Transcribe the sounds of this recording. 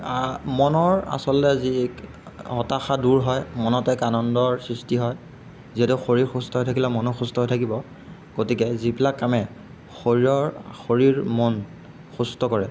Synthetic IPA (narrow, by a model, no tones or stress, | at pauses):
amɔnɔɹa̰sɔlɔtɛzi | hɔtaxaduɹɦɔjmɔnɔtɛkanɔndɔɹsɹistiɦɔj | ziɛtuxoɹiɹxustɔɦojtʰakilɛmɔnɔxustɔɦojtʰakibɔ | ɡ̥otikɛzibilakːamɛ | xoɹiɹɔɹxoɹiɹmɔn | xustɔkɔɹɛ